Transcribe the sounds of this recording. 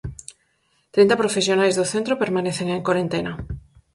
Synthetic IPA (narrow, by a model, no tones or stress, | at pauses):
t̪ɾint̪ɐpɾofesjonajzðoθent̪ɾopeɾmaneθeŋeŋkwaɾent̪enɐ